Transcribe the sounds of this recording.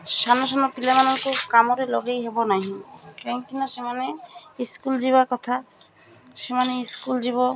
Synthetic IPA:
sanɔsɔnɔpilamanɔŋkukamɔɾeloɡejɦebɔnaɦĩkeŋk̪inɔsemaneiskuld͡ʒiβakɔt̪ʰa | semaneiskuld͡ʒiβɔ

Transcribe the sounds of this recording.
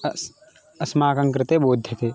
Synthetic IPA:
ɐsmaːkɐ̃ŋkɾɪt̪eːboːd̪ʱjɐt̪eː

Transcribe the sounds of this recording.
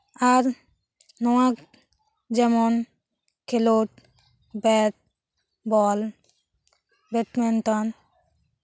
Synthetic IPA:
aɾ | nɔwak | d͡ʒɛmɔn | kʰeloʈ̚ | bɛʈ̚ | bɔl | bɛʈmɛnt̪ɔn

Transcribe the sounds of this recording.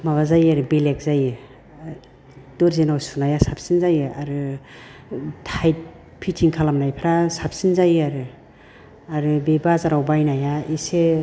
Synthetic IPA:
maβazajaɾɯbelek̚zajɯ | d̥ɔɾzenawsunajasap̚sinzajɯaɾɯ | tʰajt̚ | pʰitʰiŋkʰalamnajpʰaɾasapsinzajaɾɯ | aɾɯbebazaɾawbajnajaise

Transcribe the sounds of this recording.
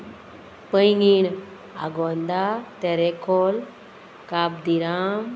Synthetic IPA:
pəjŋɡin | a̰ɡond̪at̪eɾekʰol | kab̚d̪iɾam

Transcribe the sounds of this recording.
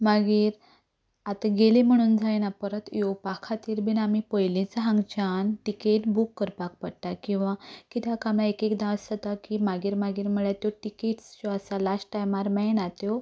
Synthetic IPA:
maɡiːɾ | at̪aɡelim̤əɽ̃uːnd͡zʱajnapəɾət̪jɔpakʰat̪iːɾbʱinamipəjlĩt͡saɦãŋɡt͡ɕanʈikeʈbukːəɾpak̚pəɽt̪akĩw̃ʋãkit̪ʰjakamlãekekd̪ãəsət̪akimaɡiːɾmaɡiːɾməɭjat̪jɔʈikeʈst͡ɕɔasalasʈʈajmaɾmɛnat̪jɔ

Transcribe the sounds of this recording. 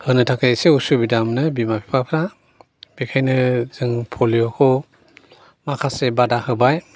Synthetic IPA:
hɯnɯtʰakʰajseusubidamnɯbimapʰi̥pʰapʰɾa | b̥ikʰajnɯz̥ɯŋpʰoljɔkʰɔ | makʰasebadahɯbaj

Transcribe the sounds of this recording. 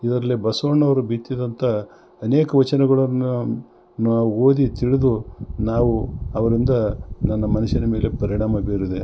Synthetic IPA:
id̪ɐɾɐlːibɐsoːɳːɐʋɐɾubit̪ːid̪ɐnt̪ʰɐ | ɐneːkɐʋɐt͡ʃɐnɛɡɐɭɐn | nːuaːuoːd̪it̪iɭid̪unaːʋuɐʋɐɾind̪ɐnɐnːɐmɐnuʃɐnɐme̞ːle̞pɐɾiɳaːmɐbeːɾid̪e

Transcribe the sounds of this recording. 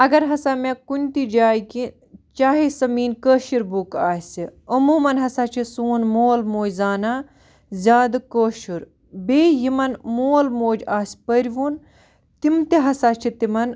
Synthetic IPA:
ɐɡɐɾɦɐsaːmẽkunʲt̪id͡ʒaːjki | t͡ʃaːɦisɐmiːnkəːʃiɾbukaːsiɐmuːmɐnɦɐsat͡ʃʰisuːnmoːlmoːjzaːna | zʲaːd̪koːʃuɾ | beːjimɐnmoːlmoːd͡ʒaːsʲpɐɾʲʋun | t̪imt̪iɦɐsaːt͡ʃʰit̪imɐn

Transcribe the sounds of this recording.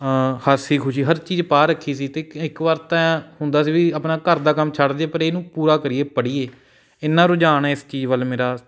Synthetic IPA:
həsiːkʰʊʃiːɦəɾt͡ʃiːd͡ʒpaːɾəkʰːiːsiːt̪eːɪkʋaːɾt̪ɛ̃ːhʊnd̪aːsiːʋiːəpnaːkəɾd̪aːkəmt͡ʃʰəɽd̪eeːpəɾeːnũːpuːɾaːkəɾɪeːpəɽiːeː | ɪnːãːɾoːd͡ʒaːnɛːɪst͡ʃiːd͡ʒʋəlmeːɾaː

